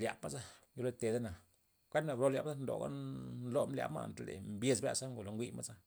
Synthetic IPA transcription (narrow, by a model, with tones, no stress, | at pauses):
lʲja̰˨pma˦za˦jo˧lo˦t̪e˨d̪a˦na˨ | kʷe˦na˧˨bɾo˧lja˨pza˦nd̪o̰˨ɡa̰˦nnlo˧mlja̰˧bma̰˧˨nt̪a˧˨lḛ˨mbje˧sbɾʲa̰˧sa˦ŋɡo˨lo˨ŋɡʷi˦ma˦za˦